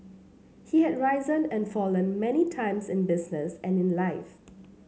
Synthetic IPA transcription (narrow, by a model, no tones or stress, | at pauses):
hihɛdɹaɪzə̃nɛ̃nfɔlə̃nmɛnitʰãɪ̃msɪ̃nbɪsnəsɛ̃nɪ̃nlaɪf